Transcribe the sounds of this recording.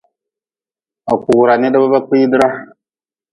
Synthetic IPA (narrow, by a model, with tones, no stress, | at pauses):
a˨ku˨ɣu˨ɾa˨ne˦ɗa˦ba˦ba˦ki˦dɾa˦